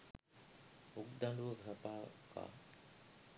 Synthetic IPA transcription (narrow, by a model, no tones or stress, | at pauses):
ukd̪anɖuʋəɡʱɾapaːka̰ː